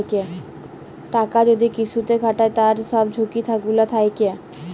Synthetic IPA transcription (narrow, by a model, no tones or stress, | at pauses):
kɛ | ʈakad͡ʑod̪ikit͡ɕʰut̪eɡʱaʈaet̪aɾsɔb̚d͡ʑʱukit̪ʰakɡulat̪ʰajkɛ